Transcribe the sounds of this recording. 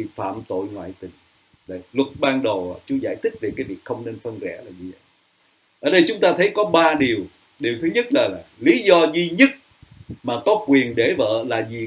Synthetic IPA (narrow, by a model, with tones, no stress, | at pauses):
fa̰ː˧˨mt̪o̰˧˨jŋwa̰ː˧˨jt̪ï˨˩ŋ | ɗə˨˩jlwə˨˩t̚ɓaː˧nɗə˨˩wa̰˧˩t͡ɕu˨˦za̰ː˧˩˨jt̪ʰi˦˥k̟̚ve˨˩kaː˨˦jvi˨˩ək̚xə˧wŋ͡mne˧nfə˧nzɛ̰˧˥laː˨˩ɲɨ˧zə̰˧˨j | ʔəː˧˩ɗə˧jt͡ɕʊ˨˦ŋ͡mt̪aː˧t̪ʰə˨˦jkɔ˨˦ɓaː˧ɗi˨˩əw | ɗi˨˩wt̪ʰɨ˨˦ɲə˦˥t̚laː˨˩laː˨˩li˨˦zɔ˧zi˧ɲə˦˥t̚ | maː˨˩kɔ˨˦kwi˨˩ənɗe˧˩və̰ː˧˨laː˨˩zi˨˩